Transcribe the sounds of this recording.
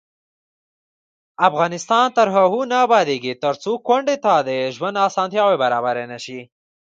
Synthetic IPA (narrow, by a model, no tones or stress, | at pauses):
afɣɑnɪst̪ɑnt̪əɾɦaɦunaːbɑd̪eɡit̪əɾt͡sokwaɳɖet̪ad̪eʒwand̪ɑsɑnt̪jɑwebaɾɑ̰baɾenaʃi